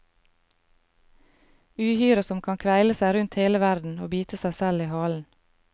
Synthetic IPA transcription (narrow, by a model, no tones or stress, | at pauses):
ʉːhyːɾəsɔmkʰɑŋkʰʋæɪləsæɪɾʉnt̪heːləʋæɾd̪n̩oːbiːt̪əsæɪsæliːhɑːln̩